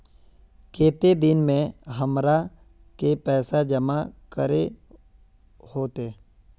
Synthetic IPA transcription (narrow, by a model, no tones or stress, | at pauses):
keːt̪ed̪ɪnmẽɦəmɾa | kepɛːsad͡ʒəmakəɾe | hoːt̪eː